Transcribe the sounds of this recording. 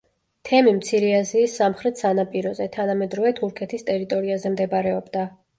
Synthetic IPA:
t̪ʰɛmimt̪sʰiɾɛaziːsːamχɾɛt̪ʰsanapʼiɾɔzɛt̪ʰanamɛd̪ɾɔvɛt̪ʰuɾkʰɛt̪ʰist̪ʼɛɾit̪ʼɔɾiazɛmd̪ɛbɾɛɔbd̪a

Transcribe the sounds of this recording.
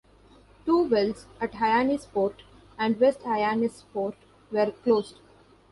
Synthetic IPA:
ʈuːʋɛlzæʈɦaɪaːnispoːɾʈ | ʔæ̃ɳɖʋesʈhaɪaːnispoːɾʈ | ʋeɾkloːzɖ

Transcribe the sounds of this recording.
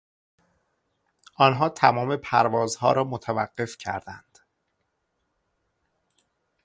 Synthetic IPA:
ʔɒːnɦɒːt̪ʰæmɒːme̞pʰæɾvɒːzhɒːɾɒːmot̪ʰævæɢ̥ːe̞fcʰæ̰ɾd̪ænd̪̥

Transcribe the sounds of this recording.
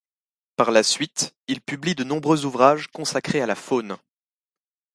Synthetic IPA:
paʁlasɥit̪ilpyblid̪ənɔ̃bʁøzuvʁaʒkɔ̃sakχealafon

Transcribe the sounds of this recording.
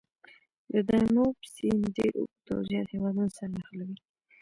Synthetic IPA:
d̪əd̪ɑmopsenɖeɾṵkt̪o̰zjɑd̪hewɑd̪unosaɾnaxlawi

